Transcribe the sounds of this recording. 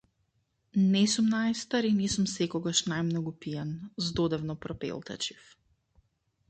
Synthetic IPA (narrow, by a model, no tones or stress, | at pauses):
nɛsumnajst̪aɾinɛsumsɛkɔɡaʃnajmnɔɡupijanzd̪ɔd̪ɛvnɔpɾɔpɛ̰lˠt̪a̰t͡ʃi̥f